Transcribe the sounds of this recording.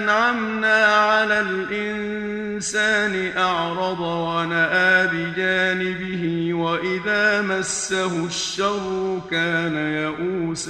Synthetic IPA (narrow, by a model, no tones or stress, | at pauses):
nʕamnaːʕalaːl | ʔɪn | saːnɪʔɑʕɾˤɑd̪ˤwanaʔaːbɪd͡ʒaːnɪbɪhɪwaʔɪðaːmasːaɦʊʃːɑrˤːʊkaːnajaʔuːs